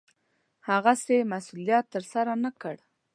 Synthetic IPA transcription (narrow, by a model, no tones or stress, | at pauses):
haɣasemasulijat̪ːəɾsaɾanəkəɽ